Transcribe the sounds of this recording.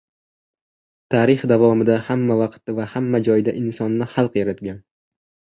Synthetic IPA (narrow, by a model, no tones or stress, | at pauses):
t̪ʰaːɾɪχd̪avɒmɪd̪ahamːavɑqt̪ːɪvahamːad͡ʒɒjd̪aʔɪnsɒnːɪhɑlˠqjaɾat̪ɡʲan